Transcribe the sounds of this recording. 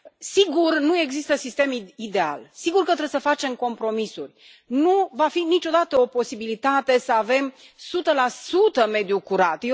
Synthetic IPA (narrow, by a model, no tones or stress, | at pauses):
siɡurnue̞ɡzist̪əsist̪e̞mid̪e̞a̰lsiɡurkət̪ɾesəfat͡ʃe̞mko̞mpɾo̞misurʲ | nuvafinit͡ʃo̞d̪at̪əo̞po̞sibilit̪at̪e̞səave̞m | sut̪əlasut̪əme̞d̪iukuɾat̪je